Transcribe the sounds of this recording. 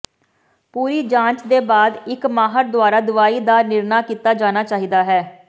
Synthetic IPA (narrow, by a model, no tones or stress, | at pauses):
puːɾiːd͡ʒãːt͡ʃd̪eːbaːd̪ɪkmaːɦəɾd̪ʊaːɾaːd̪ʊʋaːiːd̪aːɾnɪɾnaːkiːt̪aːd͡ʒaːnaːt͡ʃaːɦiːd̪aːɦɛː